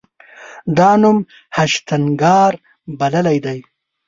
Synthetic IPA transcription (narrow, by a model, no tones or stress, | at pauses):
d̪ɑːnum | haʃt̪aŋɡɑːɾ | baləlajd̪aj